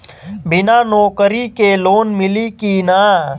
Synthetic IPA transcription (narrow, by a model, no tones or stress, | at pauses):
bɪnaːnɔːkəɾikeloːnmɪlikinaː